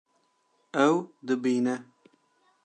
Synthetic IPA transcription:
ɛwd̪ɨbiːnɛ

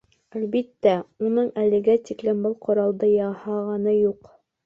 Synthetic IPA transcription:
ælbit̪ːæunɤɴælɘ̆ɡæt̪iklɘmbɤlˠqŏɾɑlˠd̪ɤjɑhɑʁɑnɤjuq

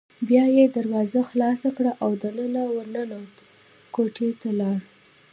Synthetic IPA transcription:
bjɑjed̪aɾwɑzaxlɑsakɽaʔawd̪ənənawənəna | koʈet̪alɑɽ

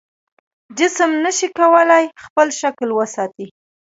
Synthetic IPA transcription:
d͡ʒɪsəmnəʃikawəlajxpəlʃaklwəsɑt̪i

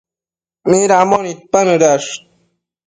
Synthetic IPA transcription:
miɾamonit̪̚panɨɾaʂ

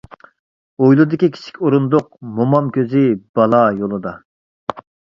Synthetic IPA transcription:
ojlˠud̪ɪkʲikʲʰi̥t͡ʃʰi̥kʲoɾund̪ʊq̚momɑmkʲøzɪb̥ɑlˠɑjolˠɨd̪ɑ

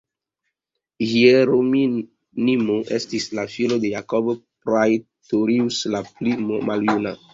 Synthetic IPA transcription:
hieɾomi | nimoʔestislafilodejakobpɾaj | toɾiuslaplimaljuna

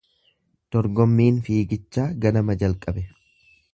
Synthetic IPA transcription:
d̪̥ɔɾɡɔmːiːnfiːɡɪt͡ʃːaːɡɐnɐmɐd͡ʒɐlkʼɐbɛ

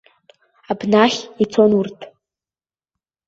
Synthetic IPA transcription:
abnaχʲit͡sʰonurtʰ

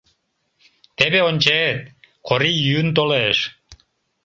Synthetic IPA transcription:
t̪eβeonʲt͡ɕeet̪̚kʰoɾijynt̪̬oleʃ

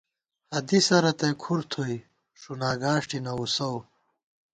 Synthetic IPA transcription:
hɐd̪isɐɾɐt̪ɐkʰuɾt̪ʰoj | ʂunaːɡaːʂʈinɐusɐw

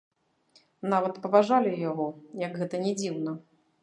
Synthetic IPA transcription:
navɐt̪pɐvaʐalʲijaɣɔjɐɡɣɛt̪ɐnʲɛd͡zʲiwnɐ

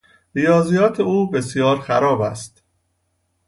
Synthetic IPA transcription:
ɾijɒːzijɒːt̪ʰeuːbe̞sjɒːɾxæɾɒːbæ̰st̪

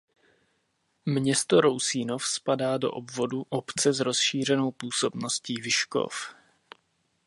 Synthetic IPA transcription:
mɲɛst̪o̞ɾo̞wsiːnofspadaːdo̞̰ʔobvo̞duʔo̞pt͡sɛzɾo̞sʃiːr̝ɛno̞wpuːso̞bno̞sciːvɪʃko̰f

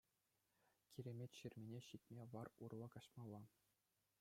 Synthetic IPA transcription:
kʲiɾʲemʲetʲɕirʲmʲenʲeɕitʲmʲeʋɑrurlˠɑ̆kɑɕmɑlˠːɑ

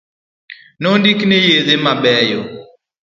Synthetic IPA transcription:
nondiknejezemabɛjɔ

